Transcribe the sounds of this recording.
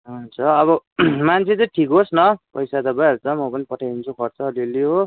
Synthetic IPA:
ɦunt͡sʰʌːβʌmant͡sʰet͡sʌ̃ʈʰikɦosnʌpʌjsad̪ʌbajɦʌɾut͡sʌmʌpʌnipʌʈʰajunt͡sʰukʰʌɾt͡sʰʌːliliɦo

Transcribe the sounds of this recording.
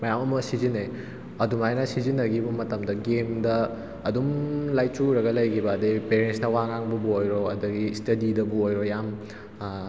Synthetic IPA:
mɐjamɐmɐsizine | ɐdumajnɐsizinːɐɡibɐmɐtɐmdɐɡemdɐː | dumlajt͡ʃuɾɐɡɐlɐjkʰibɐːdepeɾensnɐwaŋaŋbɐbuojɾoɐdɐɡistɐdidɐbuojɾojam

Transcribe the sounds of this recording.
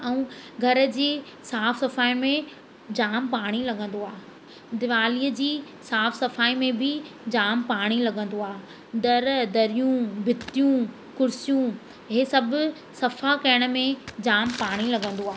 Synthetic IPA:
ɛ̃ũɡʱɐɾə̆d͡ʑiː | saːfsɐfaːimẽ | d͡ʑaːmpaːɽ̃ilɐɡʱə̃nd̪oaːɦ | d̪ɪʋaːliːəd͡ʑiː | saːfsɐfaːimẽbɪd͡ʑaːmpaːɽ̃ilɐɡə̃nd̪oaː | d̪ɐɾd̪ɐɾijũbʱɪt̪ijũ | kʊɾɪsijũ | ɦesɐbʱʊ | sɐfakɐəɽ̃ə̆mẽd͡ʑaːmpaːɽ̃ilɐɡə̃nd̪oaːɦ

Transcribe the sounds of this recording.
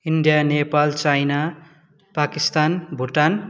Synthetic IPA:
iɳɖijanepalt͡sajna | pakist̪anbʱuʈan

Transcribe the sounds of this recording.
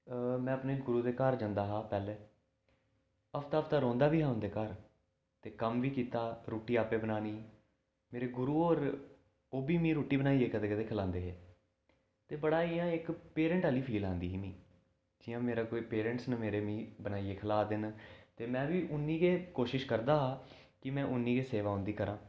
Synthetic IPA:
mɛ̃ːəpneːɡʊɾuːd̪eːkəɾd͡ʒãːnd̪aːɦaːpɛːleː | əpʰt̪aːpʰt̪aːɾɔ̃ːnd̪aːʋiːɦãːʊ̃nd̪eːkəɾ | t̪eːkəmʋiːkiːt̪aːɾoːʈiːaːpeːbənaːniː | meːɾeːɡʊɾuːoːɾ | oːbiːmĩːɾoːʈiːbənaːiːeːkəd̪eːkət̪eːkʰəlãːnd̪eːɦeː | t̪eːbəɽaːiːãːɪkpeːɾɛ̃ɳʈaːliːpʰiːlãːnd̪iːɦiːmĩː | d͡ʒɪjãːmeːɾaːkoːiːpeːɾə̃ɳʈsnəmeːɾeːmĩːbənaːieːkʰəlaːd̪ɪnt̪eːmɛ̃ːʋiːʔʊnːiːɡeːkoːʃɪʃkəɾd̪aːɦaː | kɪmɛ̃ːʔʊnːĩːɡeːseːʋaːɦʊ̃nd̪iːkəɾãː

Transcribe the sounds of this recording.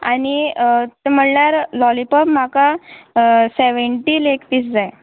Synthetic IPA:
a̰nit̪em̤əɳljaɾlɔlipəbm̤aka | seʋəɳʈilekp̪iːsd͡zaj

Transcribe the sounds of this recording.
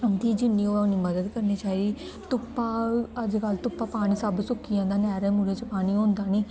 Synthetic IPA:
əmt̪iːd͡ʒɪnːĩːoːaniːməd̪əd̪kəɾniːt͡ʃaːi | t̪ʊpːaːəd͡ʒkəlt̪ʊpːaːpaːɽ̃iːsəbsʊkʰːijãːd̪aːnɛːɾeːmuɾeːt͡ʃəpaːniːõːnd̪aːniː

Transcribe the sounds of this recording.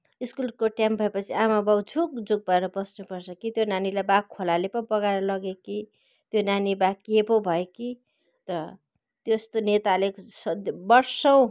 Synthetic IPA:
iskulkoʈjambʱʌepʌt͡sʰiamabʌwd͡zʰʱukd͡zuɡ̚bʱʌeɾʌbʌsnupʌrt͡sʰʌkit̪jonanilabakʰːolalepʌpʌɡaɾʌlʌɡeki | t̪jonanibakepobʱʌeki | t̪ʌɾʌ | t̪jost̪onet̪alesʌbʌrsʌw̃

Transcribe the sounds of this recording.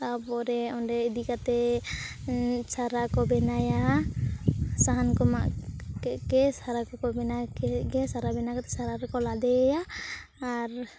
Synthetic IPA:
abɔɾɛɔɳɖɛid̪ikat̪ɛ | saɾakɔbɛnaja | saɦankɔma̰ʔkɛkɛsaɾakɔkɔbɛnakɛɡɛsaɾabɛnakat̪ɛsaɾaɾɛkɔlad̪ɛjaː | ɾ

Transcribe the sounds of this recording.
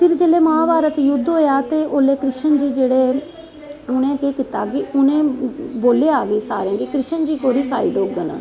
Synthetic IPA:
pʰɪɾd͡ʒeːleːmãːbaːɾət̪jʊd̪ɦoːjaːt̪eːʔoːleːkɾɪʃənd͡ʒiːd͡ʒeːɽeː | ʊnẽːkeːkɪt̪aːkɪʊnẽːboːleːaːɡeːsa̰ːɾẽːɡikɾɪʃənd͡ʒiːkoːɾiːsaːiːɖoːɡən̰ː

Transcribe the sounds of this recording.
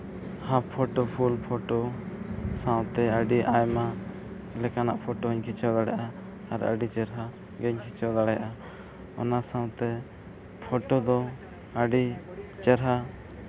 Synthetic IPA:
hãpʰɔʈɔpʰulpʰɔʈɔ | sãwt̪ɛəɖiʔajma | lɛkana̰ʔpʰɔʈɔɦɔɲkʰit͡ʃʰɛwd̪aɽajaʔa | aɾə̰ɖit͡ʃɛɾɦa | ɡɛɲkʰit͡ʃʰɛwd̪aɽaja̰ʔa | ɔnasãwt̪ɛ | pʰɔʈɔd̪ɔ | əɖit͡ʃɛɾɦa

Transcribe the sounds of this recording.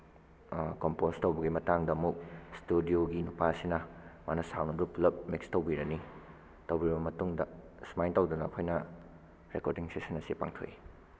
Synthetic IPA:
kompostɐwbɐɡimɐtaŋdɐɐmuk̚studioɡinupasinɐma̰nɐsawnɐduplɐp̚mikstɐwbiɾɐni | tɐwbiɾibɐmɐtuŋdɐ | smajntɐwd̪unɐːkʰojnɐ | ɾekoɾdiŋsesɐnɐsipa̰ŋtʰo̰ji

